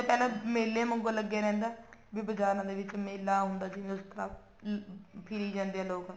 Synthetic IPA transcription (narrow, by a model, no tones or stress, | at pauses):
pɛːlãːmeːlːeːmə̃ŋɡoləɡːeːɾɛ̃ːnd̪aːbiːbəd͡ʒaːɾãːd̪eːʋɪt͡ʃmeːlːaːɦʊ̃nd̪aːsĩːʊst̪əɾaː | pʰɪɾiːd͡ʒãːnd̪eːɛːloːk